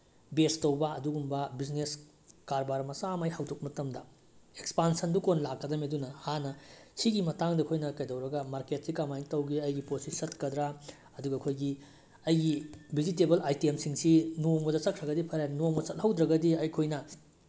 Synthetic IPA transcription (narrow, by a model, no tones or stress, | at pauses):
bestɐwbɐɐduɡumbɐbiznes | kaɾbaɾmɐsamɐjhɐwdok̚mɐtɐmdɐ | ekspansɐndukonlakːɐdɐmidunɐhanɐsiɡimɐtaŋdɐkʰojnɐkɐjdɐwɾɐɡɐmaɾket̚sikamajiŋtɐwɡiɐjɡiposisɐtkɐdɾa | ɐduɡɐkʰojɡi | ɐjɡibʱizitebɐlajtiemsiŋsinoŋbɐdɐt͡ʃɐkʰɾɐɡɐdipʰɐɾanoŋbɐsɐt̚hɐwd̪ɾɐɡɐdiɐjkʰojnɐ